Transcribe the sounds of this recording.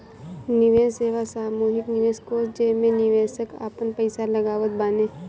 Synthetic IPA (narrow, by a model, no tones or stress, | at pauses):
nɪʋeːsseːʋasaːmuːɦɪknɪʋeːskoːsd͡ʒeːmẽnɪʋeːsəka̰ːpənpəɪsaləɡaːʋət̪̚baːneː